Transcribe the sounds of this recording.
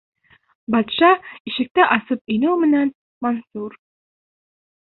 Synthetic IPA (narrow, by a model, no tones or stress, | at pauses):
bɑt̪ʃɑiʃɘ̆k̚t̪æʔɑsɤp̚ɵ̆numɘ̆næn | monsuɾ